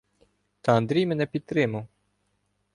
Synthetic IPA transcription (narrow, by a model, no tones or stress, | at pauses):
t̪ɐɐnd̪ɾʲijmɛnɛpʲid̪̚t̪ɾɪmɐw